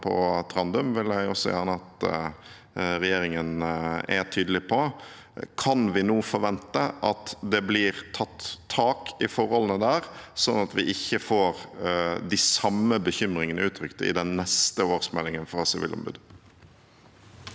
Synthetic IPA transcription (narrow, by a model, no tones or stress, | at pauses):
pʰɔ̰t̪ʰɾɑnd̪ʉmʋɪljæɪɔsːɔjæʁnəɑt̪ | ɾɛjeːɾɪŋənɛ̰t̪ʰyːd̪əlɪpʰɔ | kʰɑnʋɪnuːfɔɾʋɛnt̪əʔɑt̪d̪ɛblɪːɾt̪ʰɑt̪ʰːɑːkɪfɔɾhɔlənəd̪æːɾsɔnːɑt̪ʋɪʔɪçːəfoːɾd̪ɪsɑmːəbəçʏmɾɪŋənəʉːt̪ʰɾʏkt̪əɪ̰d̪ɛnːɛst̪əoːɾsmɛlːɪŋənfɾɑsɪʋḭlɔ̰mbʉ̰d̪